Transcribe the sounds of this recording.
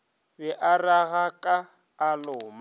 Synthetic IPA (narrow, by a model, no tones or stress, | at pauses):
bɛʔaraɣakʼaː | lʊːma